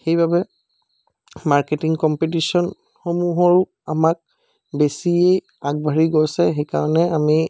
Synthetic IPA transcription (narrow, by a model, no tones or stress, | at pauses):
xejbabɛ | maɹketiŋkɔmpit̬isɔn | xomuɦɔɹ | amak̚ | besiej | aɡ̚bʱaɹiɡojsɛxejka̰ɹɔnɛami